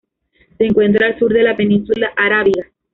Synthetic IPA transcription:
se̞ːŋkwe̞nt̪ɾaːlsuɾðe̞lape̞nĩnsulaʔaɾaβiɣa

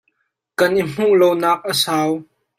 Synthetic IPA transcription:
kɐnʔim̥uʔlownaːk̚ʔəsaːw

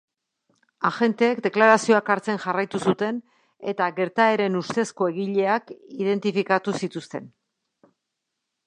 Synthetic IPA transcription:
axe̞nt̪e̞ːkd̪e̞klaɾasio̞akaɾt͡se̞nʝarajt̪usut̪e̞n | e̞t̪aɣe̞ɾt̪ae̞ɾe̞nust̪e̞sko̞e̞ɣiʎe̞akiðe̞nt̪ifikat̪usit̪ust̪e̞̰n

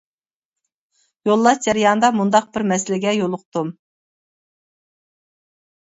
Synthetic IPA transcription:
jolˠːɑʃd͡ʒɛɾijɑnd̪ɑmund̪ɑq̚bɪɾmɛsɪlɪɡʲɛjolˠʊq̚t̪um

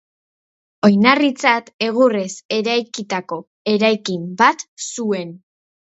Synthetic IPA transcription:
o̞jnarit͡sat̪e̞ɣ̞ure̞se̞ɾajkit̪ako̞ | e̞ɾajkimbat̪sue̞n

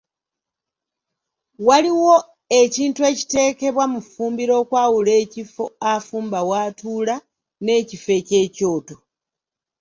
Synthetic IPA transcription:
waliwo̞ | eciːntue̞ːci̥te̞ːke̞βwamufuːmbiɾo̞ːkwaːwule̞ːcifo̞afuːmbawaːtuːla | ne̞ːcife̞ce̞ːco̞ːto̞

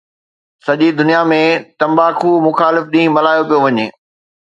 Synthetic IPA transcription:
sɐʄid̪ʊnijamẽt̪ɐ̃mbaːkʰumʊxaːlɪfɗĩːmɐlaːjopijoʋɐɲeː

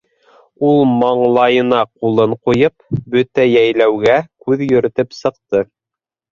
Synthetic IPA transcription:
ulˠmɑɴlˠɑjɤ̆nɑqulˠɤɴqujɤpbɵt̪æjæjlæwɡækʉðjɵ̆ɾɘ̆t̪ɘpsɤ̆qt̪ɤ

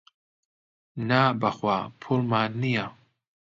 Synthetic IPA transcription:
nabaxwapʰolmanija

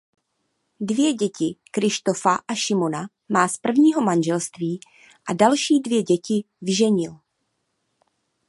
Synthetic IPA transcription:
dvɪjɛɟɛcɪkɾɪʃt̪o̞faʔaʃɪmo̞na | maːspr̩vɲiːɦo̞manʒɛlst̪viː | ʔadalʃiːdvjɛɟɛcɪ | vɪʒɛɲɪl

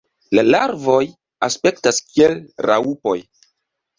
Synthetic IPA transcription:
lalaɾvo̞j | aspe̞ktaskie̞lɾa̰upo̞j

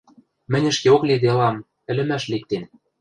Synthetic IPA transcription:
mɘ̆nʲɘ̆ʃkeokled̪eɤ̆lɑm | ɘ̆lɘ̆mæʃlik̚t̪en

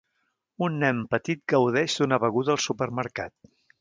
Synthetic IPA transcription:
unːɛmpət̪it̪̚ɡəwð̞ɛʒd̪unəβəɣuðəːlˠsupəɾməɾka̰t̪̚

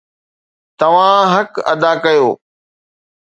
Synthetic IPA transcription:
t̪ɐʋ̤ãɦɐkɐ̰d̪aːkɐjoː

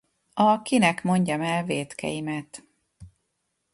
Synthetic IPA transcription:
ɒkinɛkmo̞ɲɟɒmɛlveːt̪kʰɛ̰jimɛt̪

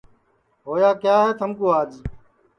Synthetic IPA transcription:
ɦoːjaːkjaːɦeːt̪ʰəmkuːɦaːd͡ʒ

